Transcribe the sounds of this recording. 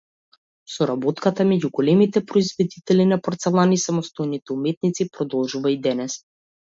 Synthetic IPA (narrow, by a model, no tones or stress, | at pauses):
sɔɾabɔt̪kat̪amɛɟuɡɔlɛmit̪ɛpɾɔizvɛd̪it̪ɛlinapɔɾt̪sɛlˠanisamɔst̪ojnit̪ɛumɛt̪̚nit̪sipɾɔd̪ɔlˠʒuvaid̪ɛnɛs